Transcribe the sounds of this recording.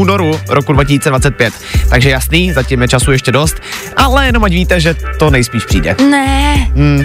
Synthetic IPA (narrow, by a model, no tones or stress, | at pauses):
uːnoɾuɾokudvacɪsiːt͡sɛdvat͡sɛt̪̚pjɛt̪ːaɡʒɛjasniːzacɛmjɛt͡ʃasujɛʃcɛdo̞st̪ʔalɛjɛno̞mʔacviːt̪ɛʒɛt̪o̞nɛjspiːʃpr̥ḭːdɛ̰nɛ